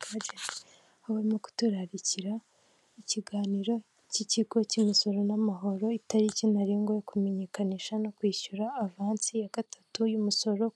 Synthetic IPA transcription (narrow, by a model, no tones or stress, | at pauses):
ɡaɟeze | aβaɾimo̞ku̥tuɾaɾiciɾa | iciɡaːniɾo̞ | ciciɡo̞cimiso̞ɾo̞namaɦo̞ɾo̞itaɾicinaɾiːŋɡojekume̞ɲe̞kaniʃano̞kwiːʃuɾaːvaːnsijaɡ̥atʰatujumuso̞ɾo̞